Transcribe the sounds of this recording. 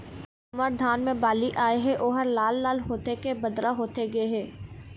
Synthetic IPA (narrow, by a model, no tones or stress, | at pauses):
ɐməɾd̪ʱaːnmẽbaːliʔaːeɦɛʔoːɦəɾlaːlːaːlɦoːt̪ekebɐd̪ɾaɦoːt̪eɡɐeɦɛː